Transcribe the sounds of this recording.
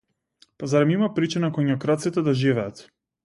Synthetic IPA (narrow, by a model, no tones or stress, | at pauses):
pazaɾɛmimapɾit͡ʃinakɔɲakɾat̪sit̪ɛd̪aʒivɛat̪